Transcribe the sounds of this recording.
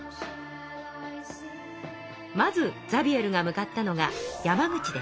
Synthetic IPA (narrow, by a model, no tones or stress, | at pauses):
mazɨd͡zabʲie̞ɾɯ̟ŋamɯ̟kat̪ːano̞ŋajamaɡɯ̟t͡ɕid̪es